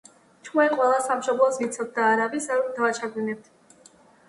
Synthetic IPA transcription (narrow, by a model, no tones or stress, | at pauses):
t͡ʃʰwaiqʼwɛlˠasamʃɔblˠɔsmit̪sʰɔt̪̚d̪aːɾabisaɾɔmd̪aat͡ʃʰaɡinɛp̚t̪ʰ